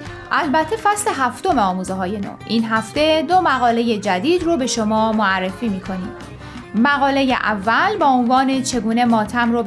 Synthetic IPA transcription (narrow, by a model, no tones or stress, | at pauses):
ʔælbæt̪ʰːe̞fæsle̞ɦæft̪o̞meɒːmuːzeɦɒːje̞no̰ːʔiːnɦæft̪e̞d̪o̞mæɣɒːle̞je̞d͡ʒæd̪iːd̪robe̞ʃomɒːmoærːe̞fiːmiːkʰo̞niːm | mæɣɒːle̞jḛʔævːælbɒːonvɒːne̞t͡ʃʰe̞ɡuːne̞mɒːt̪ʰæmro